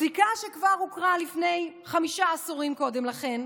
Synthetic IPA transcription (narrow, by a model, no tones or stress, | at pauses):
zikaʃe̞kvaʁhukʁalifne̞jχamiʃaːsuʁimko̞de̞mlaχe̞n